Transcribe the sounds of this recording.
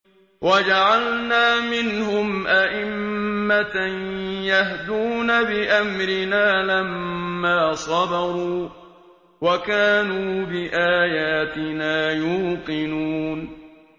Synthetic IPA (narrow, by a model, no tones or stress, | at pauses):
wʔad͡ʒaʕalnaːmɪnɦʊmʔaʔɪmːatanjahd̪uːnabɪʔamɾɪnaːlamːaːsˤɑd̪ɑɾˤuː | wakaːnuːbɪʔaːjaːt̪ɪnaːjuːqɪnuːn